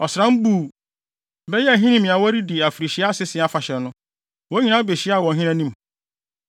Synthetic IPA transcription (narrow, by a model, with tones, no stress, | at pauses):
ɔ˨sɾã˦m̩˦buː˨ | bɛ˦jɛ˦æ˨ɦĩ˦nĩ˦mĩ˨a˨wɔ˦ɾi˦di˨a˨fi˨ɾi˨ɕi˦a˦sɪ˦sɪ̃˨a˦fa˨ɕɛ˨nʊ̃˦ | wɔ˦ɲĩ˦nã˦be˨ɕi˦˨wɔ˨ɦĩ˦nã˦nĩ˦m